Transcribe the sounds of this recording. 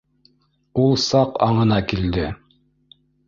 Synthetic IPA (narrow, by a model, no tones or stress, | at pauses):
ulˠsɑqɑ̰ɴɤ̆nɑkild̪ɘ